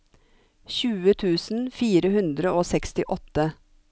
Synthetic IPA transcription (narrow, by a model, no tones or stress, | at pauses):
çʉːət̪ʰʉːsn̩fiːɾəhʉnd̪ɾəoːsɛkst̪ɪʔɔt̪ːə